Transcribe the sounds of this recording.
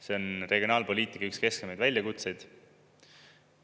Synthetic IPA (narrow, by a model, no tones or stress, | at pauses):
se̞o̞nreɡjio̞nɑːlpo̞lʲiːt̪ˑikːˑɑykske̞skemejd̪vælʲjɑkut̪se̞jd̪̥